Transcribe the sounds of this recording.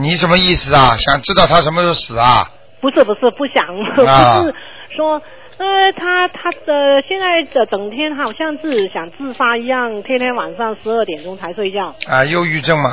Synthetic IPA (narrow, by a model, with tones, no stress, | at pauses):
ni˧˥ʂə˧˥nmə˧i˥˩sɹ̩˩ɐ˩ɕjɑ˨˩ŋʈ͡ʂɻ̩˥t̪ɑ˥˩ʊt̪ʰa˥ʂə˧˥nmə˧t̪o˥˩sɹ̩˨˩˦ɐ˧ | pu˧˥ʂɻ̩˥˩pu˧˥ʂɻ̩˥˩pu˥˩ɕjɑ˨˩˦ŋpu˧˥˧ʂ̩˥˩ | ʂwɔ˥ | ə˧t̪ʰa˥t̪ʰa˥ə˧ɕjɛ˥˧nt͡sa˥˩ɪə˧˩t͡sɤ˨˩ŋt̪ʰjɛ˥nxa˧˥ɕjɑ˥˧ŋt͡sɹ̩˥˩˨ɕjɑ˨˩ŋt͡sɹ̩˥˩fa˥i˧˥jɑ˥˩ŋt̪ʰjɛ˥nt̪ʰjɛ˥nwa˨˩nʂɑ˥˩ŋʂɻ̩˧˥ə˥˩t̪jɛ˨˩nʈ͡ʂʊ˥ŋt͡sʰa˧˥ɪswe˥˧ɪt͡ɕjɑ˥˩ʊa˧jo˥˧ʊy˥˧ʈ͡ʂɤ˥˩ŋmɐ˨˩